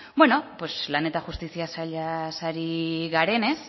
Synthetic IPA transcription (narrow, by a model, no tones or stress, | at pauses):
bwe̞no̞pwesplane̞t̪axust̪isiasaʎasaɾiɣaɾe̞ne̞s